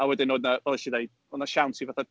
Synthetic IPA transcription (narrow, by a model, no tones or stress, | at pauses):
awɛdɪnoːdnavɛlˠɛʃidejd | onaʃawnsʰivaθa